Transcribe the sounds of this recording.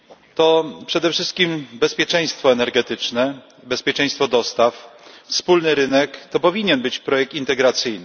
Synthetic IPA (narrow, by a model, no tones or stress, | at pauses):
t̪ɔpʂɛd̪ɛfʂɘst̪̚kʲimbɛspʲjɛt͡ʂɛj̃st̪fɔɛnɛɾɡɛt̪ɘt͡ʂnɛ | bɛspʲjɛt͡ʂɛ̃j̃st̪fɔd̪ɔst̪affspulnɘɾɘnɛkt̪ɔpɔvʲiɲɛnbɘt͡ɕpɾɔjɛk̚t̪int̪ɛɡɾat̪sɘjnɘ